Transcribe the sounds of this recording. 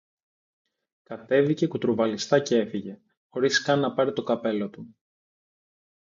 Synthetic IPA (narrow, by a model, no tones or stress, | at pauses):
kɐt̪e̞vice̞kut̪ɾovɐlist̪ɐcee̞fiʝe̞ | xo̞ɾiskɐnːɐpɐɾit̪o̞kɐpe̞lo̞t̪u